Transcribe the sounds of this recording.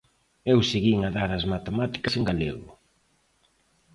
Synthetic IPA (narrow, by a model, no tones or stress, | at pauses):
ewseɣiŋɐðaɾɐzmat̪emat̪i̥kɐseŋɡalḛɣʊ̰